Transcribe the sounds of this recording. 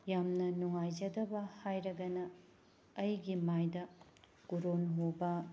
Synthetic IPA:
jamnɐnuŋajd͡ʒɐdɐbɐhajɾɐɡɐnɐː | jɡimajdɐ | ɡ̥uɾonɦobɐ

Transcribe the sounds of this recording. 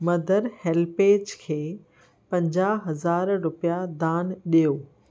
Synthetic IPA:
mɐd̪ʱəɾheːlpeːd͡ʑkʰeː | pɐ̃ɲd͡ʑaːɦɐzaːɾɾʊpijad̪aːnɗijoː

